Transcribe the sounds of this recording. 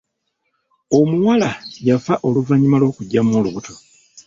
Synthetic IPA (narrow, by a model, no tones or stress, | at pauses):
o̞muwalajafaʔo̞luvaɲimalwo̞ːkuɟːamoluβutʰo̞